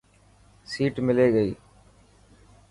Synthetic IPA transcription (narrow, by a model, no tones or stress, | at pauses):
siːʈmɪleːɡəiː